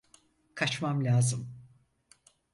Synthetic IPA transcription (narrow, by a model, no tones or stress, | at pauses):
kʰat͡ʃmamlʲaːzɯm